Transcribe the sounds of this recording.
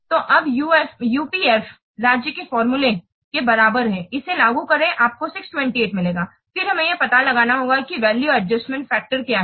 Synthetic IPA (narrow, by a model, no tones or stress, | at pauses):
t̪oːʔɐbjufjuːpiːɛːf | ɾaːd͡ʒjəkefɔːɾmule | kebɐɾaːbəɾɦɛ̃ːɪselaːɡukɐɾẽʔaːp̚kosɪksʈwɛ̃ɳʈieːʈmɪleːɡaː | fɪɾɦɐmẽjepɐt̪alɐɡaːnaɦoːɡakiʋɛːljuɐɖd͡ʒəsʈmɛ̃ɳʈfɛːk̚ʈəɾkjaːɦɛ